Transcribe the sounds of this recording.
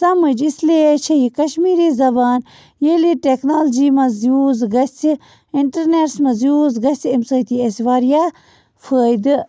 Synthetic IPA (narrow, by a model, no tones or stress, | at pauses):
sɐməd͡ʒislet͡ʃʰɐjikɐʃmiːɾizɐbaːn | jeːliʈeknaːld͡ʒiːmɐzjuːzɡɐsi | iɳʈɐɾneːɾsmɐzjuːzɡɐsʲimsɐːt̪iːesʋaːɾjaː | fʰəːjd̪ɨ